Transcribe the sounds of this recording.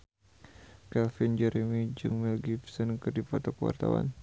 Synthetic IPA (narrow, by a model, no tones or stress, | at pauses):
kɛlfind͡ʒɛɾɛmid͡ʒɨŋmilɡifsɔnkɨrdipɔt̪ɔkəwa̰rt̪awa̰n